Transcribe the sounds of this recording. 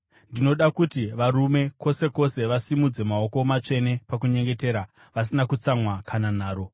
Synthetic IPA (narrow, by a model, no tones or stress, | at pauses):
ndino̞ɗakutiʋaɾume̞ko̞se̞ko̞se̞ʋasimud͡ze̞mao̞komat͡ʂe̞ne̞pakuɲe̞ŋɡe̞te̞ːɾa | ʋas̬inakut͡samwakʰanan̤aːɾo̞